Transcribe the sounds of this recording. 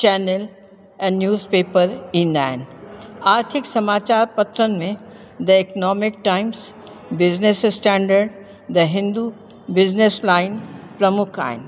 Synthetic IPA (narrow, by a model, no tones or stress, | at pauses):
t͡ʃɛːnəl | ɛ̃ːnnjuːzpeːpəɾĩːnd̪a̰ːɦɪnɪ̆aːɾt̪ʰɪksɐmaːt͡ɕaːɾpɐt̪ɾənɪ̆mẽ | d̪ɐɪknɔːmɪk̚ʈaːɪms | bɪznessʈɛ̃ːɳɖəɾɖ | d̪ɐɦɪ̃nd̪u | bɪznɪslaːɪnpɾɐmʊkʰa̰ːɦɪ̰nɪ̆